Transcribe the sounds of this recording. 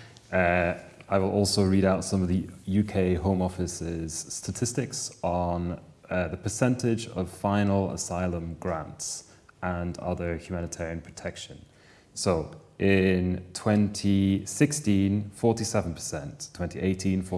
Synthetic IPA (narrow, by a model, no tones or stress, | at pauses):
aɪwɪlˠʔɔˑlˠsoʊɹiɾaʊtsʌ̃mʌvðəjʉkʰeɪɦõʊ̃mɒfɪsɪz̥stətʰɪstɪksn̩ | ðəpʰə˞sɛ̃ntɪd͡ʒəv̥fãɪ̃nl̩ˠə̰saɪlˠə̃mɡɹãnts | ə̃nʌ̰ðə˞hjʉmanɪtʰɛːɹiə̃npʰɹ̥ətʰɛkʃə̃n | soʊʔɪ̃ntʰw̥ɛ̃ntʰisɪkstĩnfɔɹtisɛvə̃n̩pʰə̥sɛ̃ntʰw̥ɛ̃ntiʔeɪtʰĩnfɔ